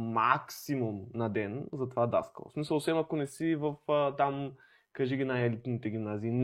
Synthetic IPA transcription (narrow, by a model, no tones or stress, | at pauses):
maksimumnɐd̪ɛnzɐt̪ovad̪a̰skə̰lˠo̰smisɐlˠosɛmɐkonɛsivɐfət̪am | kɐʒiɡinajɛlit̪nit̪ɛɡʲimnaziːn